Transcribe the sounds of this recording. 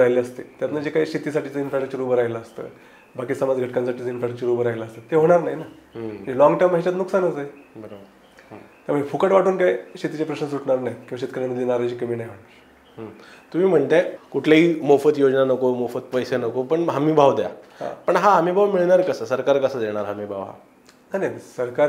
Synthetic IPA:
ɾajleəst̪et̪jat̪nad͡ʑekaiɕit̪isaʈʰiːt͡səinfɾaʈət͡ɕuɾuːbəɾajlaːst̪ə̰ː | bakiːsəmad͡zɡʱəʈkãnsaʈʰiːt͡səinfɾaʈəkt͡ɕuɾubəɾajlaːst̪ət̪ːeɦoɽ̃aɾnaɦjnamə̃ɳnd͡ʑelɔ̃ŋɡʈəjmɦet͡ɕat̪nuksanət͡səbəɾobəɾ | t̪jam̤əɳd͡ʑefukəʈʋaʈʰuːnkaiɕet̪it͡ɕapɾəɕnəs̬uʈʰɳaɾnajkĩʋaɕet̪kʰəɾaməd̪ʱjenaɾajt͡ɕikəmiːnajɦaɽ | ɦt̪um̤iːm̤əɳt̪ekuʈʰlaɦiːmofət̪jod͡znanəkomofət̪pəjsenəkopəɳɦam̤iːbʱaʋd̪eja̰hpəɳɦaɦamiːbʱaʋmiɭɳaɾkəsəsəɾkaɾkəsad̪eɽ̃aɾɦam̤iːbʱaʋɦa̰ | najnasəɾkaɾ

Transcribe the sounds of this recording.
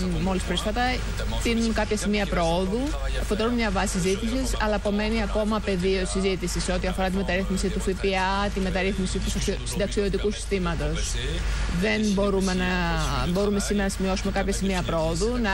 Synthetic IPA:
mo̞lispɾisfɐt̪ɐ | t̪inunkɐpçɐsimiɐpɾooðu | efo̞t̪elunmɲɐvɐsisisizit̪isisɐlɐpo̞me̞niɐko̞mɐpe̞ðio̞sizit̪isise̞o̞t̪iɐfo̞ɾɐt̪ime̞t̪ɐɾiθmisit̪ufipiɐt̪ime̞t̪ɐɾiθmisit̪ussid̪ɐksioðot̪̬ikusi̥st̪imɐt̪o̞s | ðe̞nbo̞ɾumenɐbo̞ɾume̞simeɾɐnɐsimio̞sume̞kɐpçɐsimiɐpɾooðunɐ

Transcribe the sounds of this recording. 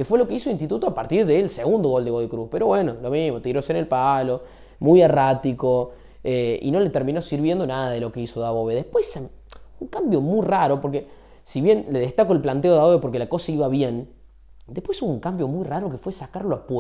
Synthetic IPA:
kefwelo̞keisoinst̪it̪ut̪oapaɾt̪iɾðelseɣund̪oɣo̞ld̪eɣoðikɾuspeɾo̞βwenolo̞mihmot̪iɾo̞senelpalo | mujarat̪iko | eḭno̞le̞t̪eɾmĩno̞siɾβje̞nd̪o̞naðaðelo̞keisoðaβoβeðehpwesa | uŋkambjo̞mujraɾo̞poɾke | siβje̞nleðeht̪akoelplant̪eoaβoβepo̞ɾkelako̞saiβaβjen | d̪ehpwesuβuŋkambjo̞mujraɾokefwesakaɾloapw

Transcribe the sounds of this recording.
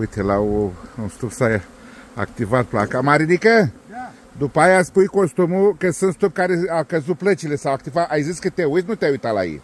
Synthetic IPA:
ujt̪ʰelaoũst̪ubsaj | a̰k̚t̪ivad̪̚plakamaɾinikɐ | d̪ʊpajaspujkost̪umukɐsɐ̃st̪ub̚kaɾeakɐzuplɐt͡ʃilesawak̚t̪ivaʔajziskɨt̪eujt̪nũt̪ɛujt̪ala̰ḭ

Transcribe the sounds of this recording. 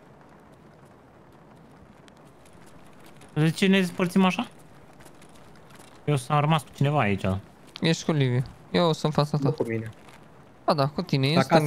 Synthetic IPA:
d̪et͡ʃened̪espərt̪simaʃa | jewsamɾəmasku̥t͡ʃinevaːit͡ʃʲa̰ | jeʃt̪kulivia | jewsũnt̪fat̪sat̪akumine | ad̪akut̪inejest

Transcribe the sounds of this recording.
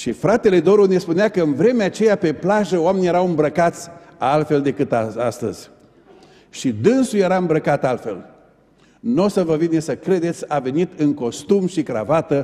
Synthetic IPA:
ʃifɾat̪e̞le̞d̪o̞ɾune̞spuneakəɨnvɾe̞meat͡ʃe̞jape̞plaʒəoame̞nijeɾawɨmbɾəkat̪sʲalt̪fe̞ld̪e̞kɨt̪aast̪ə̰z̥ʲ | ʃid̪ɨnsujeɾaɨmbɾəkat̪alt̪fe̞̰l | no̞səvəvine̞səkɾe̞d̪e̞t̪sʲave̞nit̪ɨŋko̞st̪umʃikɾavat̪ə

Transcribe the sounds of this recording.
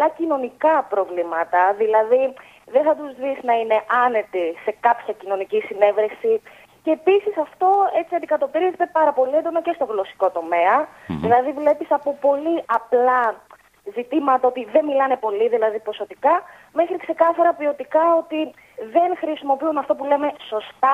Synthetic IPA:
ɐlɐcino̞nikɐpɾo̞vlimɐt̪ɐðilɐði | ðeθɐt̪uzðisnɐine̞ʔɐne̞t̪ise̞kɐpçɐcino̞nicisine̞vɾesi | ce̞ːpisisɐft̪o̞e̞t͡siɐnd̪ikɐt̪o̞piɾizet̪e̞pɐɾɐpo̞liend̪o̞nɐce̞st̪o̞ŋɣlo̞si̥ko̞t̪o̞me̞ɐðilɐðivle̞pisɐpo̞po̞liʔɐplɐ | zit̪imɐt̪ɐot̪iðe̞nmilɐne̞po̞liðilɐðipo̞so̞t̪ikɐ | me̞xɾikse̞kɐθɐɾɐpio̞t̪ikɐo̞t̪i | ðe̞nxɾisimo̞piunɐft̪o̞pule̞me̞so̞st̪ɐ

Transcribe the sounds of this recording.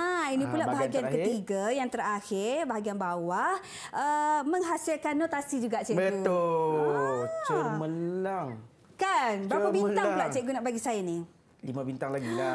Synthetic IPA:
ainĩpulaʔbaɦaɡiankət̪iɡajaŋt̪əɾaxɪrbaɦaɡianbawah | ʔəməŋɦasɪlkanːot̪asid͡ʒuɡaʔt͡ʃɛʔbəut̪o | t͡ʃəməlaŋ | kanapabinaŋŋpulaʔt͡ʃɛʔkɡunaʔbaɡisajani | limãbint̪aŋlaɡila

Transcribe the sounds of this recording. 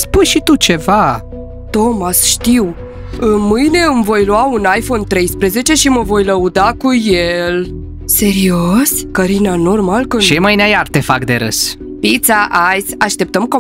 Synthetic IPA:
spujʃit̪ut͡ʃe̞va | t̪o̞masʃt̪iw | ɨmɨjne̞ɨmvo̞jluaunajfo̞nt̪ɾe̞jspɾeze̞t͡ʃe̞ʃiməvo̞jləud̪akujel | se̞ɾiosʲkəɾinano̞rmalkəʃejmajneajart̪e̞fakd̪e̞ɾə̰s | pit̪saʔajsaʃt̪e̞p̚t̪əmko

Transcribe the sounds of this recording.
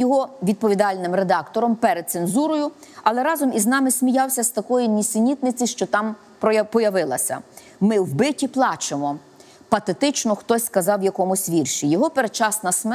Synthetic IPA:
jɔɦɔʋʲid̪̚pɔʋʲid̪ɑlʲnɪmɾed̪ɑkt̪ɔɾɔmpɛɾed̪̚senzuɾɔjʊɐlˠɛɾɑzɔmʔiznɑmɪsʲmʲijɑwsʲɐst̪ɐkɔjinʲisʲɪnʲit̪nɪt͡sʲiʃt͡ʃɔt̪ɑm | pɔpɔjɐʋɪlˠɐ̰sʲɐ̰ | mɪwbɪtʲiplˠɑt͡ʃemɔ | pɐt̪et̪ɪt͡ʃnɔxt̪ɔsʲskɐzɑwjɐkɔmʊsʲʋʲirʃijɔɦɔpeɾet͡ʃɑsnɐsm

